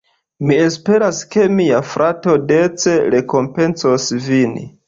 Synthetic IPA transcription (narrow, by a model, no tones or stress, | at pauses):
mie̞spe̞ɾaske̞miafɾʔato̞de̞t͡se̞ɾe̞ko̞mpe̞nsosvin